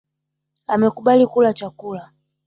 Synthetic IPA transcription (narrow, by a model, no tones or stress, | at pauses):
amɛkuɓalikulat͡ʃakula